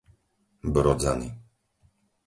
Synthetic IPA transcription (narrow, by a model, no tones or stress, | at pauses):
bɾɔd͡zani